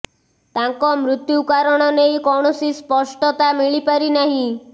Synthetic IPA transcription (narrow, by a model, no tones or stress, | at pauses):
t̪aŋkɔmɾut̪jukaɾɔɽ̃ɔnejkɔwɳ̃ɔsispɔsʈɔt̪amiɭipaɾinaɦĩ